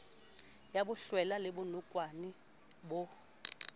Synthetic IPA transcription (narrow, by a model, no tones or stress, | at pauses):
jaɓuɬwɛlaleɓunukʼwani | ɓɔ